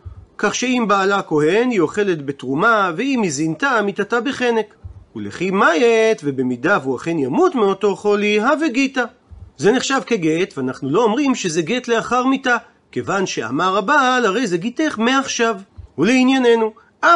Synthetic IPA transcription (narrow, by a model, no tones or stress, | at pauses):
kaχʃe̞imbaːlako̞he̞nio̞χe̞le̞t̪be̞tʁumaveimizintamit̪atabeχe̞ne̞kulḛχimajet̪ve̞be̞midavuaχe̞njamutmeo̞to̞χo̞liɦaveɡita | zeneχʃavkeɡe̞tveanaχnulo̞ːmʁimʃezeɡe̞tle̞aχaʁmita | ke̞vanʃe̞a̰maʁabaːlaʁe̞jzeɡiteχmeaχʃavuleinjane̞nu | ʔa